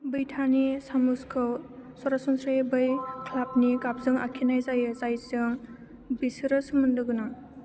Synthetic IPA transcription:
bɯjtʰanisamuskʰɯwsɔɾasɔnsʰɾajbɯjkʰlap̚nikap̚zɯŋa̰kʰinajzajɯzajzɯŋ | bisɯɾɯsɯmɯndɯɡɯnaŋ

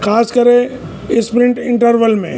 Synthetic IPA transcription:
kʰaːskəɾẽ | ɪspɾɪ̃ɳʈɪ̃ɳʈəɾʋəlmḛ̃

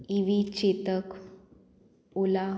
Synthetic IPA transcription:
iʋit͡ɕet̪ək | ola

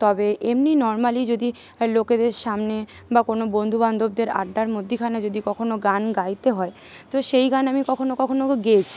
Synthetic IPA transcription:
t̪ɔbeʔemninɔɾmalid͡ʑod̪i | loked̪eɾʃamne | bakonobond̪ʱuband̪ʱob̚d̪eɾa̰ɖːaɾmod̪ʱːikʰanad͡ʑod̪ikɔkʰonoɡanɡajt̪eɦɔe | t̪oʃejɡanamikɔkʰonokɔkʰonoɡeet͡ɕʰi̥

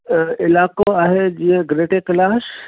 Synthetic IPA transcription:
ɪlaːkoaːɦed͡ʑĩːɛ̃ɡɾeːʈekɐlaːs

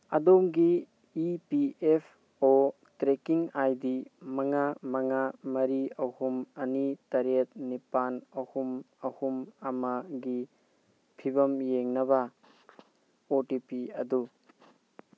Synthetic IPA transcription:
ɐdomɡiː | piepʰ | o | tɾekiŋajdimɐŋamɐŋamɐɾiɐhumɐnitɐɾet̚nipanɐhum | ɐhumɐmɐɡi | pʰibɐmjeŋnɐbɐ | otipiɐdu

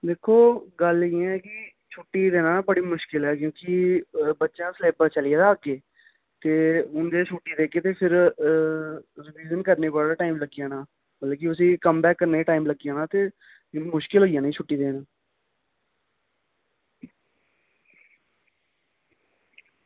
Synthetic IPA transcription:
d̪eːkʰːoːɡəlãɛːkɪ | t͡ʃʰʊʈːiːd̪eːnãːbəɽiːmʊʃkɪlɦɛːkjõːkɪbətːʃãːsəleːbəɾt͡ʃəlɪjaːd̪aːkːeː | t̪eːʊnd̪eːt͡ʃʰʊʈːiːd̪eːkeːt̪eːpʰɪɾ | ɾɪʋiːd͡ʒənkəɾneːbəːlaːʈaːimləɡijãːnãː | mət̪ləbk̬ɪəsĩːkəmbɛːkːəɾneːʈaːimləɡijãːnãːt̪eː | mʊʃkɪlɦoːijãːnĩːt͡ʃʰʊʈːiːd̪eːnãː

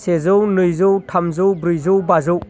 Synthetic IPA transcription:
sezɔwnɯjzɔwtʰamzowbɾɯjzowbazɯw

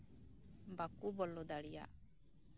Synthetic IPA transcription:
bakubɔlːɔd̪aɽija̰

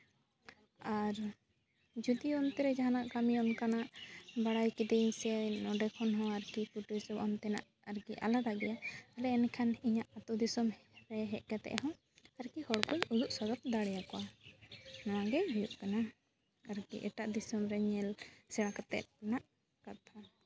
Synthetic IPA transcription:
aɾ | d͡ʒud̪iɔnt̪ɛɾɛd͡ʒaɦanaʔkamiɔnkanaʔbaɽajkid̪ɛiɲsɛnɔɖɛkʰɔnɦɔ̃aɾkikuʈuisɔbɔnt̪ɛna̰ʔ | aɾkiʔa̰lad̪aɡɛjaalɛːnkʰaniɲaʔat̪ɔd̪isɔmɾɛɦɛʔ̪̚ˀɡɛt̪ɛ̰ʔɦɔ̃ | aɾkihɔɽkujuluʔsɔd̪ɔt̪̚d̪aɽɛjakɔwa | nɔ̃waɡɛɦujuʔkana | aɾkḭʔɛʈaʔd̪isɔmɾɛɲɛlsɛɽakat̪ɛ̰t̪̚naʔ | kat̪ʰa

